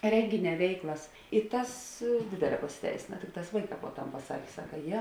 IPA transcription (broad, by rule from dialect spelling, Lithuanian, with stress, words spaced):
ˈrʲɛŋʲɡʲɪˌnʲɛː ˈʋʲɛɪklˠɐs ɪ ˈtɐs ˈdʲeːdʲeːˌlʲɛː pɐsʲɪˈtʲɛɪsʲeːnɐ ˈtʲɪkˌtɑːs ˈʋɐɪˌkɑː poː ˈtɐm pɐˈsɑːkʲeː ˈsɑːkɐ ˈjɛ